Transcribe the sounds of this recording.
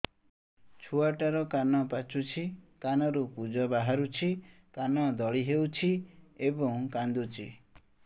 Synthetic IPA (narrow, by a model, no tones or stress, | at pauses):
t͡ʃʰuaʈaɾɔkanɔpat͡ʃʰut͡ʃʰikanɔɾukud͡ʒɔbaɦaɾut͡ʃʰi | kanɔd̪ɔɭiɦewt͡ʃʰiebɔŋkand̪ut͡ʃʰi